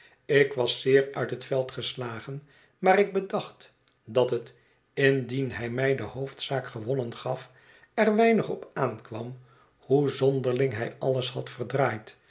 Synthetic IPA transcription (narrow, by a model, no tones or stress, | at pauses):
ɪkʋɑsːɪːɹœ̰ɥtɦətfɛlˠtχəslaːχən | maːɾɪɡ̚bədɑχt | dɑtət | ɪndinɦɛjmɛjdəhowftsaːkχəʋɔnənχɑf | ɛrʋɛjnəχɔpaːnkʋɑm | huzɔndərlɪŋɦɛ̰jɑləshɑtfərdraːjt